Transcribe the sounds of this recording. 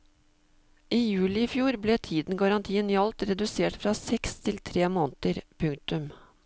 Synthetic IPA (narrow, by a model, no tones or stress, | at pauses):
ʔiːjʉːlɪɪfjuːɾbleːt̪ʰiːd̪n̩ɡɑɾɑnt̪ʰiːənjɑlt̪ɾɛd̪ʉseːʈfɾɑːsɛkst̪ʰɪlt̪ʰɾeːmoːnt̪əɾpʰʉŋ̚t̪ʉm